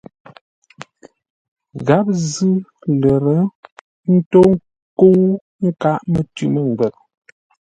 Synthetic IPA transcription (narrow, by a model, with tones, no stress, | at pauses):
ɣa˨˦p̚zɨ˦lə˨ɾə˨˦ | n̩˦to˦ŋ˦ | ko˦w | ŋ̩˦ka˦ʔmə˨tʉ˦mə˦˨ŋ˨ɡɛ˨k̚